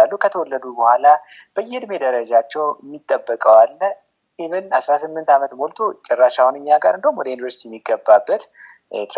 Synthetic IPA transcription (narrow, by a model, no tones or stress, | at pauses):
alːukʰət̪ʰəwɔlːəd̪ubəhʷala | b̥əjːɛd̪me̞d̪əɾəd͡ʒat͡ʃːɛwmːit̪ʼːəbːəkʼəwalːə | ʔimɨnasɾasɨmːɨnt̪amət̪molt̪ʰot͡ʃʼɛrːaʃawunɨɲːaɡaɾɨnd̪əhumːwɔd̪əjunvəɾsi̥t̪ʰijɛmːiɡəbːabːət̪ | t̪ʰʼ